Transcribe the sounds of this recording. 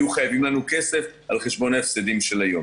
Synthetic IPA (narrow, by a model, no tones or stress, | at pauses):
juχajavimlanuke̞se̞fʔalχe̞ʃbo̞naefsed̪imʃelajo̞m